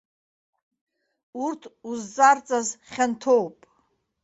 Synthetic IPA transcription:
urt̪ʰuzːʼart͡sʼazχʲant̪ʰowpʼ

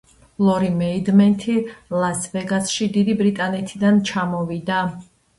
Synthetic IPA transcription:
lˠɔɾimɛid̪mɛnt̪ʰilasvɛɡasʃid̪id̪ibɾit̪ʼanɛt̪ʰid̪ant͡ʃʰamɔvid̪a

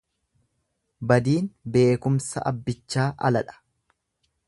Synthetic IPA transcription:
bɐd̪iːnbe̞ːkʊmsɐ̰ʔɐbːɪt͡ʃːaːʔɐ̰lɐᶑɐ̥

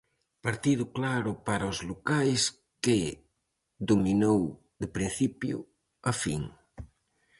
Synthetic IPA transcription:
paɾt̪iðʊklaɾʊpaɾɐʊzlokajs | kɪ | ðominow | ðɪpɾin̟θipjʊ̰ | afiŋ

